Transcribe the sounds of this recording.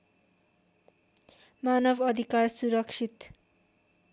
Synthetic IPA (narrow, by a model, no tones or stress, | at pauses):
manʌbʱʌd̪ʱikarsuɾʌkʂʰit̪